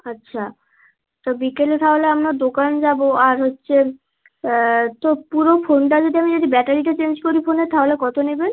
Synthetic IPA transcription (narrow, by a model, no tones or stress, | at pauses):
ətːɕʰa | t̪obikelet̪ʰaɦoleamɾad̪okand͡ʑaboaɾɦotːɕʰe | t̪opuɾofonʈad͡ʑod̪iamid͡ʑod̪ibɛʈaɾiʈat͡ɕeɲd͡ʑkoɾifoneɾt̪ʰaɦolekɔt̪onebe